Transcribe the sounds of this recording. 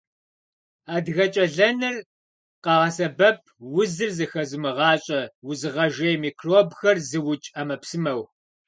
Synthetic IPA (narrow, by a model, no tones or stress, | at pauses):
aːdɣɐt͡ʃʼɐɮɐnɨr | qɑʁɐsɐbɐp̚ʰwʊzɨrzɨxɐzɨmɨʁɑːɕʼɐwʊzɨʁɐʒejmiːkʰroːbxɐrzɨwʊt͡ʃʼamɐpsɨmɐw